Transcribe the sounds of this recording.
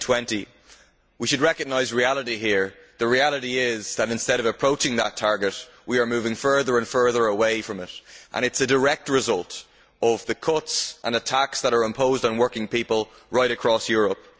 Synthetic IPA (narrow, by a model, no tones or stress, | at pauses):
tʰw̥ɛ̃nti | wiʃɨd̚ɹɛkəɡ̚naɪzɹialˠəɾiɦiɹ | ðəɹialˠəɾiɪzðəɾɪ̃nstɛɾʌvəpʰɹ̥oʊt͡ʃɪ̃ŋðətʰaɹɡət | wiə˞mʉvɪ̃ŋfɜ˞ðə˞ə̃nfɜ˞ðə˞əweɪfɹʌ̃mɪɾʔə̰̃ñɨtsədəɹɛk̚t̚ɹɪzʌlˠt | ʌvðəkʰʊtsʔə̰̃nətʰaksðəɾə˞ɪ̃mpʰoʊzdn̩wɜ˞kɪ̃ŋpipəlˠ | ɹaɪɾɨkʰɹ̥ɔsjɔɹəp̚